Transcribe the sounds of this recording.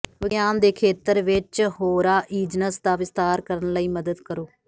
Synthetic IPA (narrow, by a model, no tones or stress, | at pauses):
ʋɪɡjaːnd̪eːkʰeːt̪əɾʋɪt͡ʃhoːɾaːʔiːd͡ʒnəsd̪aːʋɪst̪aːɾkəɾənləiːməd̪əd̪kəɾoː